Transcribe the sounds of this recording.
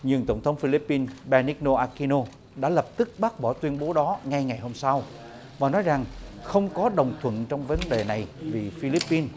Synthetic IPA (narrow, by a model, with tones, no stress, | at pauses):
ɲɨ˧˨əŋt̪ə˧˩wŋ͡mt̪ʰə˨˦wŋ͡mfi˧li˦˥pːi˧nɓɛ˧ni˦˥no˧ʔaː˧ki˧no˧ | ɗa̰ː˧˥lə˨˩p̚t̪ɨ˦˥k̚ɓaː˦˥ɓɔ˧˩t̪wi˧ənɓo˨˦ɗɔ˨˦ŋa˧jŋa˨˩jho˧msa˧w | vaː˨˩nɔ˨˦jza˨˩ŋxə˧wŋ͡mkɔ˨˦ɗə˨˩wŋ͡mt̪ʰwə̰˧˨nt͡ɕɔ˧wŋ͡mvə˨˦nɗe˨˩na˨˩jvi˨˩fi˧li˦˥pːi˧n